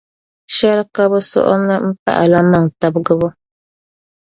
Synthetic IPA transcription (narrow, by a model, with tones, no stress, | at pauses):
ʃɛ˦lka˦bʊ˦sɔ̰˦ʔʊ̰˦nɨ˦m̩˦pa̰˦ʔa˨la˦ma˦ŋta˦bɡɨ˦βʊ˦